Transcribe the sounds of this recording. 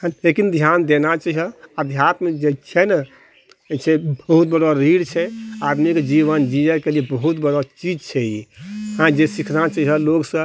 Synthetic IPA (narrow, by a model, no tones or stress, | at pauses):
ɦekind̪ʱjand̪enat͡ʃəiɦəəd̪ʱjat̪mẽd͡ʒet͡ʃʰɛn | t͡ʃʰɛbəɦut̪̚bəɽɔɾiɽt͡ʃʰɛad̪mikd͡ʒiβənd͡ʒiɛkeliebəɦut̪bəɽɔt͡ʃid͡ʒt͡ʃʰɛjiɦãd͡ʒesikʰnat͡ʃəɦɦəloɡsə̃